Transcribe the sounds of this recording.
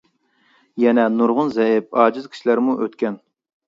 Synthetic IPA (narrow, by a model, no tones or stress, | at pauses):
jɛnɛnuɾʁʊnzɛɦɪp̚ɑːd͡ʒɪzkʲʰi̥ʃilæɾmuʔøt̪kʲɛn